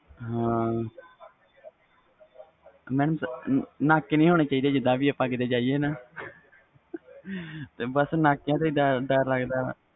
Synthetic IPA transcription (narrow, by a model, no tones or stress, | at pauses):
ɦãː | mɛːnəmsnaːkːenĩːɦoːneːt͡ʃaːiːd̪eːd͡ʒɪd̪ãːʋiːəpãːkɪd̪eːd͡ʒaːieːnaː | t̪eːbəsnaːkːjãːt̪eid̪aːɖəɾləɡd̪aː